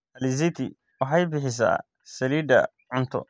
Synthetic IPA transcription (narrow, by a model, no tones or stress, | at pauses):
ɐlɪz̬it̪ʰɪ̰ | wɑħɑjbɪħɪs̬ɐ̰ː | sɐliːd̪ɐ̰ | ʕʊnt̪ʰɔ̰